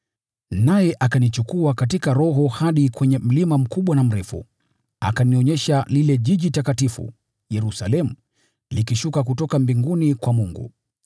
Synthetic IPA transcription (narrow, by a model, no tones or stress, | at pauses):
najɛʔakanit͡ʃukuakatikaɾɔɦɔhaɗikwɛɲɛm̩limam̩kuɓwanam̩ɾɛfṵ | a̰kaniɔɲɛʃalilɛʄiʄitakatifṵ | jɛɾusalɛmu | likiʃukak̬utɔkambiŋɡunikwamuŋɡṵ